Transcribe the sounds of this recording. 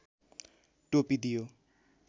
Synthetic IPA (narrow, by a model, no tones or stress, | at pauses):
ʈopid̪ijo